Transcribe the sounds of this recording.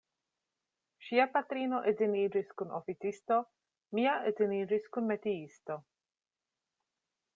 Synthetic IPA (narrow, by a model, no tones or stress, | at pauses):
ʃiapat̪ɾiːnoʔeziniːd͡ʒiskunʔofit͡sist̪o | miaʔeziniːɾiskunmet̪iist̪o